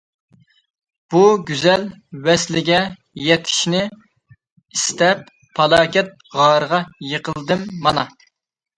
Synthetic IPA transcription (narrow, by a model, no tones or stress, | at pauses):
b̥uɡʲyzɛlwɛslɪɡʲɛ | jɛt̪ʰɪ̥ʃnɪ | ist̪ɛp̚ʰː | ɑlˠɑːkʲɛt̪̚ʁɑːɾəʁɑjəqʰəlˠd̪ɨmːɑnɑ